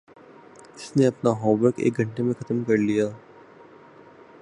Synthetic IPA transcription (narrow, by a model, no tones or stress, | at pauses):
ɪsneɐpnaɦɔːʋəɾkḛːk̚ɡʱɐ̃ɳʈemẽkʰɐt̪əmkɐɾlijaː